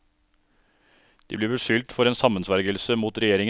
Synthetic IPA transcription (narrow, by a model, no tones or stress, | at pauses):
d̪̥iːbliːbəʂʏlt̪fɔɾeːnsɑmənsʋæɾɡəlsəmuːt̪ɾɛjeːɾɪŋə